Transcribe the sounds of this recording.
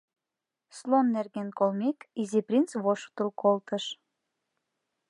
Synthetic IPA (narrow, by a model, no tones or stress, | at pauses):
slonːerɣenkolmekiziprʲint͡sβoʃt̪ulkolt̪ə̆ʃ